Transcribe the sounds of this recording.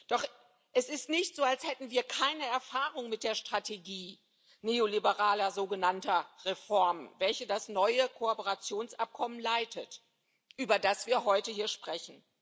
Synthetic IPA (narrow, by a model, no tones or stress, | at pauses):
d̥ɔχ | ʔɛsɪstnɪçtz̥oːalshɛtn̩viːɐkʰaɪnəɛɐfaːʁʊŋmɪt̚d̥eːɐʃtʁ̥atʰeɡiː | neːolibəʁaːlɐzoːɡənantɐʁefɔɐmnvɛlçədasnɔʏəkʰoɔpəʁat͡sjoːnsʔap̚kʰɔmənlaɪtət | ʔyːbɐdasv̥iːɐɦɔʏtəhiːɐʃpʁ̥ɛçn̩